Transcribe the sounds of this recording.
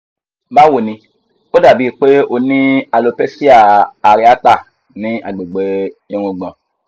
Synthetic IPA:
ba˦wo˨nĩ˧ | o˦da˦˨bi˨˦˧k͡pe˦o˧nĩ˦a˧lo˧pe˦si˦a˦˨a˨ɾi˦a˦ta˦˨ | nĩ˨˦ʔa˨ɡ͡be˨ɡ͡be˨e˨˧ɾ̃ũ˧ɡ͡bã˨

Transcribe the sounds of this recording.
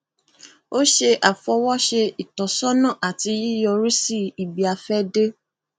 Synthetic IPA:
o˦ʃe˧ʔa˨fɔ˧wɔ˦ʃe˧i˨tɔ˨sɔ˦nã˦˨ʔa˨ti˧˦ji˦jɔ˧ɾi˦si˦i˨bi˨a˧fɛ˦de˦

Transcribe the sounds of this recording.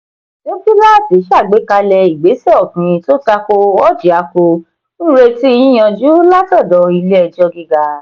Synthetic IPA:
lo˦fu˦la˦˨ti˨˦ʃa˦˨ɡ͡be˨˦ka˧lɛ˧i˨ɡ͡be˨˦sɛ˦ɔ˦˨kĩ˨˧to˦ta˧ko˧ɔ˦d͡ʒi˨a˨˧˦ko˧ | nũ˦ɾe˧ti˦˧˦ĩ˦j̃ɔ̃˧d͡ʒu˨˦la˦tɔ˦˨dɔ˨i˧le˦ɛ˧d͡ʒɔ˧ɡi˧ɡa˧

